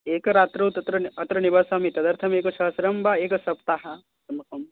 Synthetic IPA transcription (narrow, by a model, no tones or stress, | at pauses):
eːkɐɾaːt̪ɾɐːt̪ɐt̪ɾɐɐt̪ɾɐnibaːsaːmit̪ɐd̪ɐɾt̪ʰɐmeːkɐʃɐɦɐsɾɐmbaeːkɐsɐpt̪aːɦɐ | sɐmɐkɐm